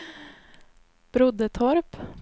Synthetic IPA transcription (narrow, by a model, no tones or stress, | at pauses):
b̥ɾʊd̪ət̪ʰɔɾp